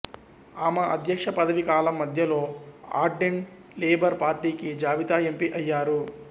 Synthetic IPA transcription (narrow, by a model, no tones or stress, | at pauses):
aːmɐʔɐd̪ʱjɐkʂɐpɐd̪ɐʋikaːlɐmːɐd̪ʱjɐlo̞ːa̰ːɾɖeɳʈ | leːbɐɾpaːɾʈiːkid͡ʒaːʋit̪aːe̞mpiʔɐjːaːɾu